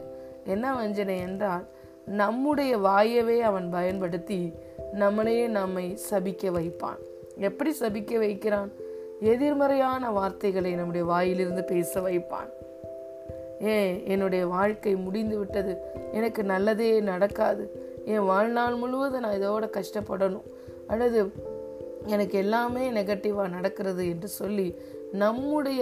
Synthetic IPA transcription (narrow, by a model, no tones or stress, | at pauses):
ɛnːɐʋɐɲd͡ʒɐnɐɛndraːl | nɐmːɯɽɐjɐʋaːjɐʋeːɐʋɐnbɐjɐnpɐɽɯt̪ːi | nɐmːɐɭɐjeːnɐmːɐɪsɐbɪkʲːɐʋɐɪpːa̰ːn | ɛpːɐɽisɐbɪkːɐʋɐɪkːɪɾaːn | ɛðɪɾmɐɾɐjaːnɐʋaːɾt̪ɐɪɣɐɭɐɪnɐmːɯɽɐjɐʋaːjɪlɪɾɯnd̪ɯpeːsɐʋɐɪpːa̰ːn | eːɛnːɯɽɐjɐʋaːɻkɐɪmʊɽɪnd̪ɯʋɪʈːɐðɯɛnɐkːɯnɐlːɐðeːnɐɽɐkːaːðɯ | ẽːʋaːɻnaːlmʊɻɯʋɐðɯnãːɪðoːɽɐkɐʂʈɐpːɐɽɐnʊ̃ | ʔɐlːɐðɯ | ɛnɐkːɛlːaːmeːnɛɣɐʈːɪʋaːnɐɽɐkːɯɾɐðɯɛndrɯsɔlːi | nɐmːɯɽɐjɐ